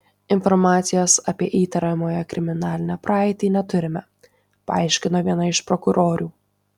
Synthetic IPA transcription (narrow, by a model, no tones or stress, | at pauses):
ɪnfɔɾmɑːt̪sʲɪjosɐpʲiɛʔiːt̪ɐɾɐmoːjɛkɾʲɪmʲɪnɑːlʲɪnʲɛpɾʔɑːɪt̪ʲiːnʲɛt̪ʊɾʲɪmʲɛ | pɐɐɪʃʲkʲɪnoːʋʲiɛnɐɪʃpɾɔkʊɾoːɾʲuː